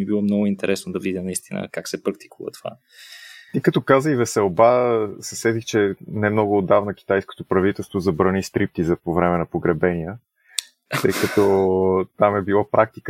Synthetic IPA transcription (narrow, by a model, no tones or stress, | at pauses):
ibilˠɔmnɔɡʊint̪ɛɾɛsnod̪ɐvidʲənɐist̪inə̰kaksɛpɾɐk̚t̪i̥kʰuvə̰t̪ova̰ | ikɐt̪ɔkazəivɛsɛlˠbasɛsɛd̪ixt͡ʃɛnɛmnɔɡʊːd̪avnək̟i̥t̪ajsko̥t̪opɾɐvit̪ɛlˠst̪vozɐbɾɐnist̪ɾip̚t̪izɐpovɾɛmɛnɐpoɡɾɛbɛniə | t̪ɤjkət̪ɔt̪amɛbilˠapɾʔak̚t̪ik